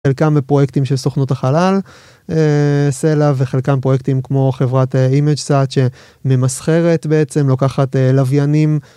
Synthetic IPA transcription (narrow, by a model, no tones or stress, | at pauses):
elkamepʁo̞jekt̪imʃelsoχnotaχalal | eselaveχelkampʁo̞jekt̪imkmo̞χe̞vʁateimed͡ʒsat̪ʃe̞ | me̞masχe̞ʁet̪beet͡se̞mlokaχatelavjanim